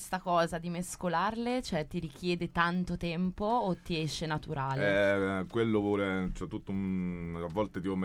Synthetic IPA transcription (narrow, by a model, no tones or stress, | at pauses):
st̪akɔːzad̪imeskolarlet͡ʃoɛt̪ːiɾik̟jɛːd̪et̪ant̪ot̪ɛmpoːt̪ːiɛʃːenat̪uɾaːleɛkwelːovɔːlet͡ʃɛt̪ːut̪ːoavːɔlt̪et̪iːpom